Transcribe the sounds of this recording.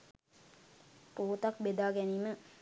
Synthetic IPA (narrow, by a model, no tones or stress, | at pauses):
puːt̪akbed̪aːɡɛniːmə